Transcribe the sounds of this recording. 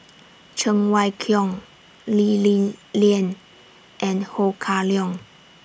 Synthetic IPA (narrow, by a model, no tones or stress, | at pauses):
t͡ʃʰəŋwajkʰjɔŋ | lilliən | ʔɛ̃nhokʰaljɔ̃ŋ